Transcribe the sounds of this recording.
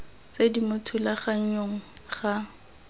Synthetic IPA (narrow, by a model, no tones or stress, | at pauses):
t͡sedimʊtʰulaχaɲ̩ɲoŋ̩χa